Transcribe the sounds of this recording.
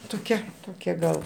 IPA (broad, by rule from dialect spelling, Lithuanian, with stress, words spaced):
toːˈkʲɛ ˈtoːkʲɛ ɡɐlˠ